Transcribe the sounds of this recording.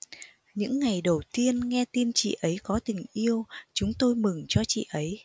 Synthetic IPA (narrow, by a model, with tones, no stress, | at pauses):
ɲɨ̰˧˥ŋːa˨˩jɗə˨˩wt̪i˧ənŋɛ˧t̪i˧nt͡ɕḭ˧˨ʔə˨˦jkɔ˨˦t̪ï˨˩ŋ̟ʔi˧əwt͡ɕʊ˨˦ŋ͡mt̪o˧jmɨ˨˩ŋt͡ɕɔ˧t͡ɕḭ˧˨ʔə˨˦j